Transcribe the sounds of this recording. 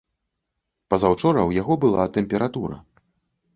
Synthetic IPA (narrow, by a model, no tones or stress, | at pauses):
pɐzawt͡ʂɔɾɐwjaɣɔbɨlˠat̪ɛmpʲɛɾat̪uɾɐ̰